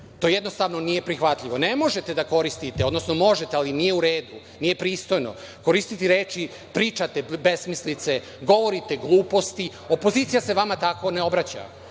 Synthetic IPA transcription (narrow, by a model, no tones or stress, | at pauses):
t̪o̞jed̪nost̪aʋno̞nije̞pɾixʋat̪ʎʲiʋo̞nemo̞ʒe̞t̪e̞d̪ako̞ɾist̪it̪eod̪no̞sno̞mo̞ʒet̪ealinijeuɾe̞ːd̪u | nije̞pɾiːst̪o̞jno̰ | ko̞ɾist̪it̪iɾeːt͡ʃi | pɾiːt͡ʃat̪ebe̞smislit̪se | ɡo̞ʋo̞ɾit̪e̞ɡlˠuːpo̞st̪i | o̞poziːt̪sijase̞ʋamat̪ako̞neo̞bɾat͡ɕa̰